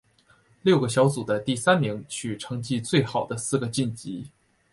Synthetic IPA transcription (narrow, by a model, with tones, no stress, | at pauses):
ljo˥˩ʊɡə˩ɕjɑ˧˥ʊt͡su˨˩d̪ə˦t̪i˥˩sa˥nmi˧˥ŋt͡ɕʰy˨˩ʈ͡ʂʰɤ˧˥ŋt͡ɕi˥˧t͡swe˥˩ɪxɑ˨˩ʊd̪ə˦sɹ̩˥˩ɡə˩t͡ɕi˥˩nt͡ɕi˧˥